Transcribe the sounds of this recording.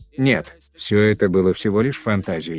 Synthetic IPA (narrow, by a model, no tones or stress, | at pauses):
nʲet̪ | fsʲoɛt̪əbɨlˠəfsʲɪvolʲɪʂfɐnt̪azʲɪjɪ